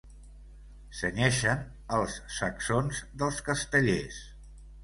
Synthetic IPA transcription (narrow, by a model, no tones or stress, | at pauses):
sənɛʃən | əlˠsːəksonzðəlˠskəst̪əʎes